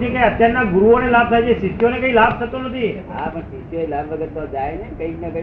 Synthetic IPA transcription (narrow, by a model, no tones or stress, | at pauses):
t̪ikəiət̪jaɾnaɡʊɾuonelab̚t̪ʰaet͡ʃʰesit̪ːjonekəĩlab̚t̪ʰət̪onət̪ʰiɦa̰pəsit̪joelabʋəɡət̪ːod͡ʒajenekəiknəkə